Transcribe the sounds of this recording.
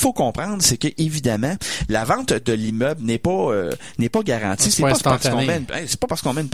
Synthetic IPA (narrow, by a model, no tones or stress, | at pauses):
fokɔ̃ːpʁɑ̃d̪ʁsekʲəʔevid̪amãlavɑ̃t̪d̪əlimœblnɛpɔø̰ | nɛpɔɡaʁɑ̰̃ːtt͡s̪isɛpɔpaʁskɔ̃mɛnɛ̰̃se̥pɔpaʁskɔ̃mɛnp